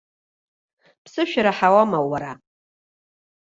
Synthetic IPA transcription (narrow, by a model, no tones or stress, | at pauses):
pʰsɨʃᶣaɾaħawamawaɾa